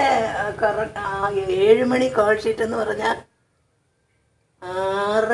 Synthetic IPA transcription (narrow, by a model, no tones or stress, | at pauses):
ekɐrɐk̚ʈaeːɻumɐɳikaːlʂiʈːe̞nːɨpɐrɐɲːaːl | ar